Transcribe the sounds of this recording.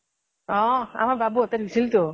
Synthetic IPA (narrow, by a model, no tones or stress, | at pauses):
ɔ̃a̰maɾbabut̪aɾbisilt̪o